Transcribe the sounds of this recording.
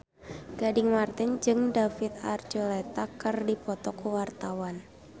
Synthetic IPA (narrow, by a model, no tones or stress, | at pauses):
ɡ̥adɪŋmart̪ɪnd͡ʒɨŋdafit̪̚a̰rd͡ʒolɛt̪akərdipɔt̪ɔkuwart̪awan